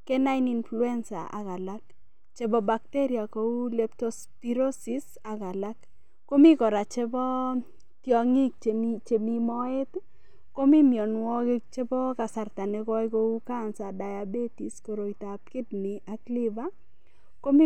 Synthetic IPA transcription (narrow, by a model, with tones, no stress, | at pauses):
ke˦na˦jni˨nflu˦ɛ˦nsa̰˨a̰˨ɣa˨la˦k̚ | t͡ʃe˦bɔ˦ba˨k̚te˦ɾi˨a˨ko˨˦u˦lɛ˨p̚tospiɾo˦si˨s | a˨ka˨la˦kː | o˦mi˦kɔ˨ɾa˨t͡ʃe˦bɔ˦ | tjɔ˨ŋi˦k̚t͡ʃt͡ʃe˨mi˨mɔ˦e˦t | ko˦mi˦mjɔ˨nwɔ˦kɪ˦k̚t͡ʃe˦bɔ˦ka˨sa˨rta˨nɛ˦kɔ˦jko˦u˦ka˦nsa˨da˨ja˨be˦ti˨sko˨ɾo˨ita˨p̚kɪ˦t̚nɪ˨a˨kli˦ba˦ | ko˦m˦